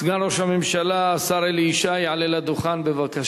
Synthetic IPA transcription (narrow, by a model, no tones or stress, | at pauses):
sɡanɾoʃhamemʃalaːsaɾeliʃajeʕalelad̪uχanbevaka